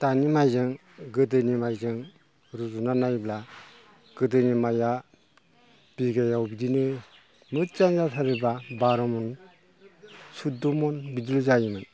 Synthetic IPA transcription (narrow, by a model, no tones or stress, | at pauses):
tanimajzɯŋ | ɡɯdɯnimajzɯŋ | ɾuzunanajbla | ɡ̥ɯdɯnimaja | b̥iɡajawbidinɯ | mɯt̚t͡ʃanzatʰaɾibabaɾɔmɔn | sudumɔnbidɯlzajimɯn